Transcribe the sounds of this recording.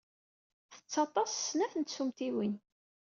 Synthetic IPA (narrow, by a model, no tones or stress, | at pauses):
θə̥t͡sːɑt̪ˤɑssnæθənt̪sumt̪iwin